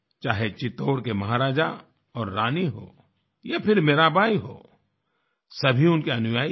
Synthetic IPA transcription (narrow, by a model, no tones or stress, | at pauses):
t͡ʃaːɦet͡ʃɪt̪oːɽkemɐɦaɾaːd͡ʒa | ɔːɾːaːniɦo̰ː | jepʰɪɾmeːɾabʱaːiɦo̰ː | sɐbʱiʊnkiɐnʊjaːi